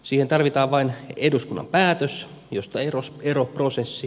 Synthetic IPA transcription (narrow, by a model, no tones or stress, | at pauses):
siːhent̪ɑrʋit̪ɑːʋʋɑineduskunːɑ̰mpæːt̪øs | jost̪ɑeroseɾoprosesːi